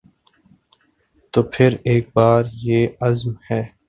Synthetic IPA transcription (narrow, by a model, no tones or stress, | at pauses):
t̪oːpʰɪɾeːk̚baːɾjeːɐzmhɛː